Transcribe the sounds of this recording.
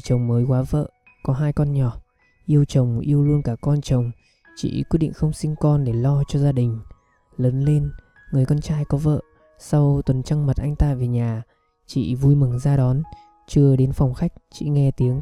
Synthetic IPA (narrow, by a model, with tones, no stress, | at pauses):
t͡ɕə˨˩wŋ͡mməː˨˦jkwaː˨˦və̰ː˧˨ | kɔ˨˦ɦaː˧jkɔ˧nɲɔ˨˩ | ʔi˧əwt͡ɕə˨˩wŋ͡mʔi˧əwlu˧ənkaː˧˩kɔ˧nt͡ɕə˨˩wŋ͡m | t͡ɕḭ˧˨kwt̚ɗḭ˧˨ŋ̟xə˧wŋ͡msï˧ŋkɔ˧nɗe˧˩lɔ˧t͡ɕɔ˧zaː˧ɗï˨˩ŋ̟ | ləː˨˦nle˧n | ŋɨ˨˩əjkɔ˧nt͡ɕaː˧jkɔ˨˦və̰ː˧˨ | sa˧wt̪wə˨˩nt͡ɕa˧ŋmə˨˩t̚ʔa˧jŋ̟t̪a̰ː˧ve˨˩ɲaː˨˩ | t͡ɕḭ˧˨vu˧jmɨ˨˩ŋzaː˧ɗɔ˨˦n | t͡ɕɨ˧əɗe˨˦nfa˨˩wŋ͡mxa˦˥jk̟̚t͡ɕḭ˧˨ŋɛ˧t̪i˨˦əŋ